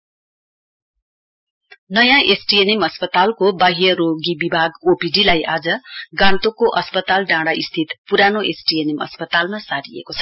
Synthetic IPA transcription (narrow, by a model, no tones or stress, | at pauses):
nʌjãʔesʈienemʌspʌt̪alkobaɦijʌɾoɡibibʱaɡopiɖilajʔad͡zʌɡãnt̪okoʔʌspʌt̪alɖãɽaʔist̪ʰit̪puɾanoʔesʈienemʌ̰spʌt̪almasaɾiḛkot͡sʰʌ̥